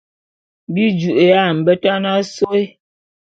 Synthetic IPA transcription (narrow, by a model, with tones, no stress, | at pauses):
bi˦d͡ʒu˨ʔe˨ja˦˨m̩˨bə˦ta˦na˦so˦e˦